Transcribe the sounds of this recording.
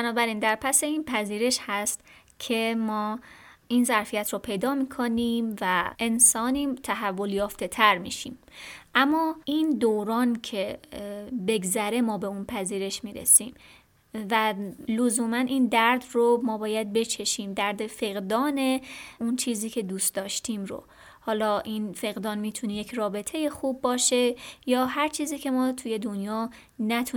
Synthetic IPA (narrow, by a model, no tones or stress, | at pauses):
bænɒːbæɾiːnd̪æɾpʰæse̞iːnpʰæziːɾe̞ʃhæst̪ | cʰe̞mɒːʔiːnzæɾfijæt̪ʰɾɔːpʰe̞jd̪ɒːmiːkʰoniːmvæʔe̞nsɒːniːt̪ʰæɦævːoljɒːft̪e̞t̪ʰæɾmḭːʃḭːmʔæmːɒːʔiːnd̪owɾɒːncʰe̞ | be̞ɡzæɾe̞mɒːbe̞unpʰæziːɾe̞ʃmiːɾḛsiːm | vælozuːmænʔiːnd̪æɾd̪romɒːbɒːjæd̪̚be̞t͡ʃʰe̞ʃiːmd̪æɾd̪e̞fe̞ɣd̪ɒːne̞unt͡ʃʰiːziːcʰe̞d̪uːst̪̚d̪ɒːʃt̪ʰiːmɾo̰ | hɒːlɒːʔinfe̞ɣd̪ɒːnmiːt̪ʰuneje̞cʰrɒːbe̞t̪ʰe̞je̞xubːɒːʃe̞jɒːɦæɾt͡ʃʰiːziːcʰe̞mɒːt̪ʰuje̞d̪onjɒː | næt̪ʰu